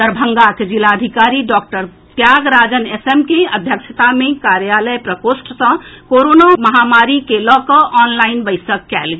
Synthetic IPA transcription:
d̪əɾbʱəŋɡaked͡ʒilaəd̪ʱikaɾiɖɔk̚ʈəɾ | t̪jaɡɾad͡ʒənesemkeəd̪ʱjəkt͡ʃʰət̪amekaɾjaləjpɾəkosʈsə̃koɾonaməɦamaɾikelɔkɔʔɔnlainbəɪsəkːɛlɡ

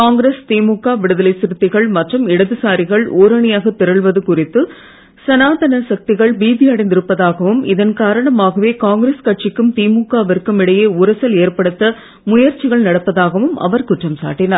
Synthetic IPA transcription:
kaːŋɡɪɾeːst̪iːmuːkːaːʋɪɽɯðɐlɐɪsɪɾɯt̪ːɪɣɐɭmɐʈrɯmɪɽɐðɯsaːɾɪɣɐɭʔoːɾɐɳɪjaːɣɐt̪ːɪɾɐɭʋɐðɯkʊrɪt̪ːɯ | sɐnaːðɐnɐsɐk̚t̪ɪɣɐɭbiːðɪɐɽɐɪnd̪ɪɾɯpːɐðaːɣɐʋɯmɪðɐnkaːɾɐɳɐmaːɣɐʋeːkaːŋɡɾeːskɐʈ̚t͡ʃɪkːɯmt̪iːmuːkːaːʋɛɾkːɯmɪɽɐjeːʊɾɐsɐleːrpɐɽɯt̪ːɐ | mʊjɐɾt͡ʃɪɣɐɭnɐɽɐpːɐðaːɣɐʋɯmɐ̰ʋɐɾkʊʈrɐmsa̰ːʈːɪnaːɾ

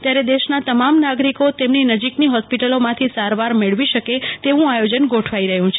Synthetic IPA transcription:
t̪jaɾed̪eʃnat̪əmamnaɡɾikot̪emninəd͡ʒikniɦɔspiʈəlomãt̪ʰisaɾʋaɾmeɭʋiʃəket̪eʋũajod͡ʒənɡoʈʰʋaiɾəɦjũt͡ʃʰe

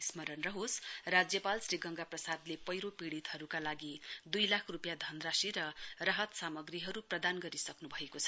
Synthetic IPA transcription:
ismʌɾʌnrʌɦosrad͡zjʌpalsriɡʌŋɡaprʌsad̪lepʌjɾopiɽit̪hʌɾukalaɡid̪ujlakʰrupjad̪ʱʌnrasiɾʌrʌɦʌt̪samʌɡriɦʌɾuprʌd̪anɡʌɾisʌknubʱʌekot͡sʰʌ̥

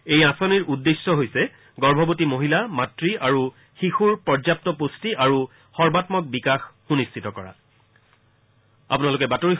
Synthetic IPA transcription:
ejãsɔniɹudːesːɔɦojsɛ | ɡɔɹbʱɔbotimoɦilamatɹiʔaɹu | xixuɹpɔɹzap̚tɔpostiʔaɹu | xɔɹbatmɔk̚bikaxxunistʰitɔkɔɹa̰ | a̰punalʊkɛbatoɹi

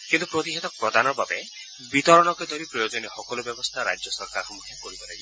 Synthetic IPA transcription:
kint̪upɾot̪iɦet̪ɔkpɾɔd̪anɔɾbabe | bit̪ɔɾɔɽ̃ɔked̪ʱɔɾipɾɔjod͡ʒɔnixɔkɔlɔbjɔbɔst̪ʰaɾa̰d͡ʒjɔsɔɾkaɾɔɦɔmːukʰjɔkɔɾibɔlaɡi

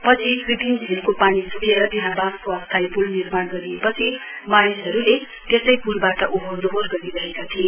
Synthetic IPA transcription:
pʌt͡sʰibibʱind͡zʱilkopanisuɽeɾʌt̪iɦãbamkoʌst̪ʰajpulnirmaɽɡʌɾiepʌt͡sʰi | manisɦʌɾule | t̪esʌjpulbaʈʌʔuɦod̪ɦorɡʌɾiɾʌɦekat̪ʰie

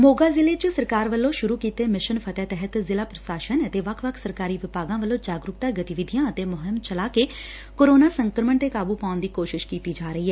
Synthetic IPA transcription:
moːɡaːzɪleːt͡ʃəsəɾkaːɾʋəlːõːʃʊɾuːkiːt̪eːmɪʃənpʰət̪ɛːt̪ɛɦət̪zɪlaːpɾəsaːʃənət̪eːʋəkʰʋəkʰsəɾkaːɾiːʋɪpaːɡãːʋəlːõːd͡ʒaːɡɾʊk̚t̪aːɡət̪ɪʋɪd̪ʱɪjãːət̪eːmʊɦɪmt͡ʃəlaːkeː | koːɾoːnaːsəŋkɾəməɳt̪eːkaːbuːpaːʊnd̪iːkoːʃɪʃkiːt̪iːd͡ʒaːɾəiːɦɛː

